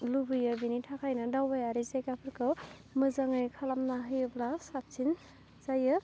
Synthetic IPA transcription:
lubɯjɯbinitʰakʰajnɯdawajaɾizajkapʰɯɾkʰɯwmɯzaŋɯjkʰalamnaɦɯjɯblasat̚t͡ʃin | zajɯ

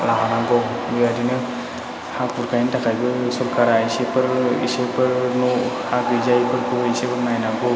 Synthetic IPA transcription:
laɦanaɡɔbiadinɯ | hak̚pʰuɾkʰajntakʰajbɯsɔɾkaɾaisepʰɯɾḭsepʰɯɾnɔhakbizajpʰɯɾkuisepʰɯɾmajnaɡɔ

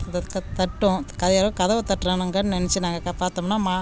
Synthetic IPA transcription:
kɐt̪ɐʈːõkɐðɐjaːɾɐɐkɐðɐʋɐt̪ɐʈːɾɐnɐŋɡɐnnɛnɛt͡ʃːɯnaːŋɡɐkɐpaːɾt̪ɐmnːaːmaː

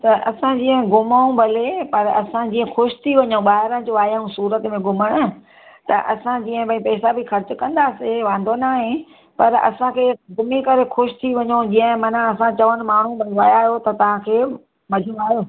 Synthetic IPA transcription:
t̪ɐʔɐsãd͡ʑĩːə̃ɦɡʊmaũbʱɐlepɐɾɐsãd͡ʑĩːə̃xʊʃɪ̥t̪ʰiʋɐɲõɓaːɦɪɾə̃nd͡ʑoaːjəũsuːɾət̪mẽɡʊməɽ̃ʊ̆ | t̪ɐʔɐsãd͡ʑiːə̃bʱɐĩpɛːsabɪxɐɾt͡ɕʊkɐ̃nd̪aːseʋãːnd̪ʱonaːɦẽ | pɐɾɐ̰sãkʰeːɡʊmikɐɾexʊʃɪ̥t̪ʰiʋɐɲõd͡ʑĩːə̃ɦmɐnãɐsãt͡ɕɐʋənɪ̆maːɳ̤ũbʱɐlʋajaːɦjot̪ɐt̪ɐʋ̤ãkʰeː | mɐd͡ʑʱoaːɦjoː

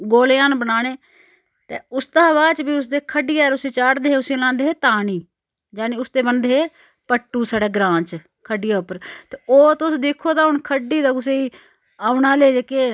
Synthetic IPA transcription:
ɡoːlːjãːnbənaːneː | t̪eːʊst̪aːʋaːt͡ʃbiːʊs̬d̪eːkʰəɖɪjaːɾʊsẽːt͡ʃaːɽd̪eːeːʊsẽːlãːnd̪eːɦeːt̪aːniː | d͡ʒaːniːʊst̪eːbənd̪eːeː | pəʈːuːsaːɖeːɡɾãːt͡ʃ | kʰəɖɪjaːʊpəɾt̪eːoːt̪ʊsd̪ekʰːoːt̪aːɦʊɳkʰəɖiːd̪aːɡʊseːiː | aːʊnaːleːd͡ʒeːkeː

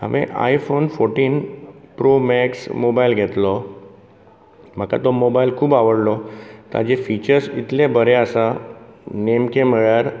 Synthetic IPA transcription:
a̰ʋʔḛ̃ʔa̰ifonfoɾʈiːnpɾomɛksmobailɡʱet̪lɔ | m̤əka̰t̪ɔmobailkʰuːbaʋəɽlɔt̪a̰d͡ʑefit͡ɕəɾsit̪lẽbəɾeəsa | nemkẽm̤əɭjaɾ

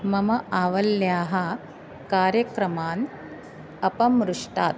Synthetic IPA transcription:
mɐmɐʔaːʋɐljaːɦɐ̆ | kaːɾjɐkɾɐmaːn | ɐpɐmɾuʂʈaːt̪̚

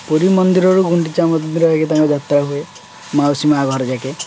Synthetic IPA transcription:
puɾimɔnd̪iɾɔɾuɡuɳʈit͡ʃamɔnd̪iɾɔaket̪aŋkɔd͡ʒat̪ɾaɦue | mawsimaɡʱɔɾɔd͡ʒake

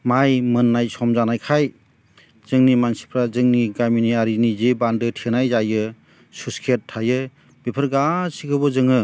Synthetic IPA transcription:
majmɯnːajsɔmzanajkʰaj | z̥ɯŋnimansi̥pʰɾazɯŋniɡaminiaɾinizibandɯtʰenajzajɯ | suskʰet̚ʰːajɯ | bipʰəɾɡasikʰɯbɔzɯŋɯ

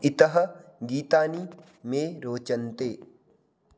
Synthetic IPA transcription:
ɪt̪ɐɦɐ̆ɡiːt̪aːni | meːɾoːt͡ʃɐnt̪eː

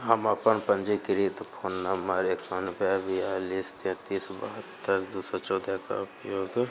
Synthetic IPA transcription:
ɦəməpənpə̃nd͡ʒikɪɾit̪pʰoːnːəməɾeːksɔnɪbɛbialist̪ẽt̪iːsbə̰ɦət̪ːəɾd̪uːsət͡ʃɔːd̪aka̰ʊpjoːɡ

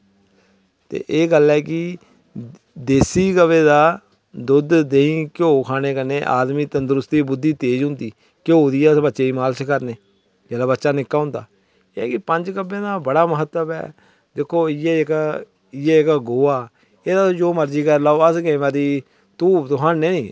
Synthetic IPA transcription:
t̪ḛːʔeːɡəlɛːkɪ | d̪eːsiːɡəʋeːd̪aː | d̪ʊd̪d̪eːĩːkoːkʰaːɽ̃eːkəneːʔa̰ːd̪miːt̪ənd̪əɾʊst̪iːbʊd̪ːiːt̪eːd͡ʒɦʊ̃nd̪iː | kooːd̪iːɛːsbətːʃeːiːmaːlskəɾneː | d͡ʒɛːlaːbətːʃaːnɪkːaːɦʊ̃nd̪a̰ː | ḛːkɪpəɲd͡ʒkəbẽːd̪aːbəɽaːməɦət̪ːəbɛ̰ː | d̪ekʰːoːɪjɛːk | ɪɛːkɡoːaː | eːd̪aːd͡ʒoːməɾd͡ʒiːkəɾlaːoːəsɡɛ̃ːʋaːd̪iː | t̪uːbt̪ʊɦãːnːẽːniː

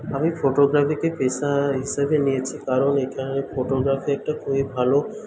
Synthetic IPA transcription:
amifʰoʈoɡɾafikepeʃaɦiʃabenijet͡ɕʰikaɾonekʰanefoʈoɡɾafeɛk̚ʈakʰubibʱalo

